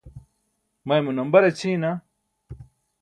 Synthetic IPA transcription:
mɐjmunɐmbɐɾet͡ɕʰina

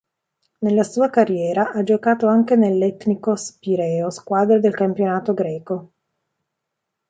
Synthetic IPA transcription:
nelːasuːakarːjɛːɾaʔad͡ʒokaːt̪oaŋkenelːɛt̪nikospiɾɛːoskwaːd̪ɾed̪elkampjonaːt̪oɡɾɛːko

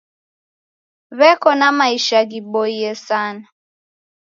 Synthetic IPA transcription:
βɛkɔnamaiʃaɣiɓɔiɛsana

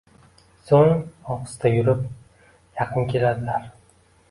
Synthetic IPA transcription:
soŋɒqɨ̥st̪ʰajʊɾɪp | jɑqʰɨnkʲe̞lad̪ɪlaɾ

